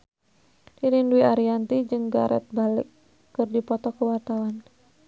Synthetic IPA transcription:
diɾinduiaɾiant̪id͡ʒɨŋɡa̰ɾʔɛ̰t̪̚balḭkː | ɨrdipɔt̪ɔkuwart̪awan

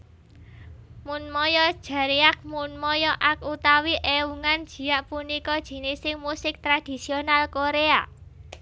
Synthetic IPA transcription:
munmɔjɔd̥ʒ̥ä̤ɾiak̚munmɔjɔʔak̚ut̪awiʔewuŋand̥ʒ̥i̤jaʔpunikɔd̥ʒ̥i̤nisɪŋmusɪk̚t̪ɾad̥i̤sionalkoɾea

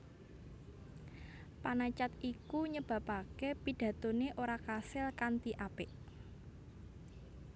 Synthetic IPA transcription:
panat͡ʃat̪̚ʔikuɲəb̥a̤pakepid̥ä̤t̪oneʔoɾakasɪlkant̪iʔab̥ɪʔ

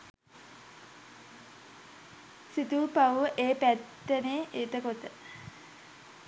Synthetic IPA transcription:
sit̪uːpawʋəʔeːpæt̪ːəneːʔit̪əkot̪ə

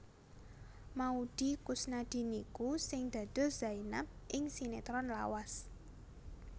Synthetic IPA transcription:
maud̪̥i̤kusnad̪̥i̤nikusɪŋd̪̥ä̤d̪̥o̤z̥ainam̚ʔɪŋsinet̪ɾɔnla̰was

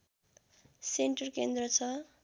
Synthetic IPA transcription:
seɳʈʌrkend̪ɾʌt͡sʰʌ

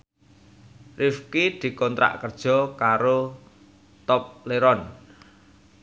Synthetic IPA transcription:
rifkid̪̥i̤kɔnt̪ɾa̰ʔkərd̥ʒ̥ɔ̤kaɾo | t̪ɔp̚leɾɔn

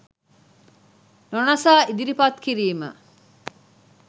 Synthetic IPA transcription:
nonasaːid̪iɾipat̪kiɾiːmə̰

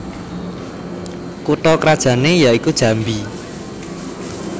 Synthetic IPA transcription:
kuʈɔkɾad̥ʒ̥ä̤nejaikud̥ʒ̥ä̤mbi

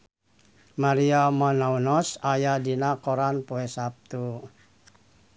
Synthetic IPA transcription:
maɾiamanaunɔsajadinakɔɾanpɔɛsap̚t̪u

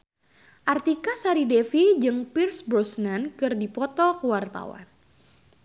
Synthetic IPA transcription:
ʔart̪ikasaɾidefid͡ʒɨŋpirsbɾɔsnankɨrdipɔt̪ɔkəwart̪a̰wa̰n

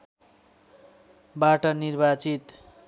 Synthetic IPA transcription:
baʈʌnirbat͡sit̪

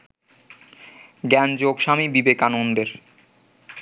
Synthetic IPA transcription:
ɡɛnd͡ʑoɡʃamibibekanond̪eɾ

